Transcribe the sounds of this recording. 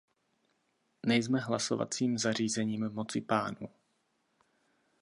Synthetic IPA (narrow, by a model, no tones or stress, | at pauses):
nɛjzmɛɦlaso̰va̰t͡siːmzar̝iːzɛɲiːmmo̞t͡sɪpaːnu